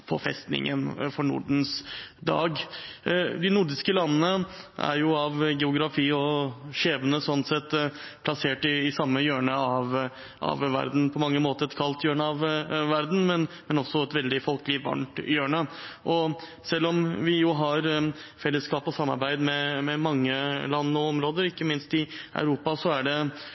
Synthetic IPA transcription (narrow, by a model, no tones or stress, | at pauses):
pʰɔ̰fɛ̰st̪nɪ̰ŋʔə̰nfɔɳʊ̰ɖn̩sd̪ɑ̰ːɡ | d̪ɪnʊɖɪskəlɑnːənəʔæ̰ɾjʊɑʋɡɛʊɡɾɑfiːɔʂeːʋənəsɔnsɛt̪ː | pʰlɑseːʈɪːsɑmːəjøːɳəɑʋ | ʔɑ̰ʋʋæ̰ɾd̪n̩pʰɔmɑŋːəmoːt̪əɾɛt̪kʰɑlt̪jøːɳəɑʋʋæɾd̪n̩mɛnmɛnɔsɔɛt̪ʋɛld̪ɪfɔlkəlɪʋɑ̰ɳʈjøːɳəʔɔ | sɛlːɔmʋɪjʊɦɑɾ | fɛlːəskɑːpɔsɑmːɑ̰ɾbæɪd̪mɛmɛmɑŋːəlɑnːɔɔmɾoːd̪əɾɪkːəmɪnst̪ɪæ̰ʉɾuːpɑsɔæɖɛ